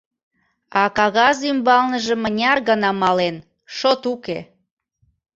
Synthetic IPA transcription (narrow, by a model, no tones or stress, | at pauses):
ɑkɑɣɑzymbɑlnəʒəmənʲɑrɣənɑmɑlen | ʃot̪ukḛ